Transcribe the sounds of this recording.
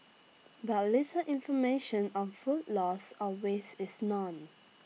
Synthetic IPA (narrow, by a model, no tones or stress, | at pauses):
batlitəʔĩnfɔmeʃə̃nɔ̃nfutlɔsɔwesɪsnɔ̃n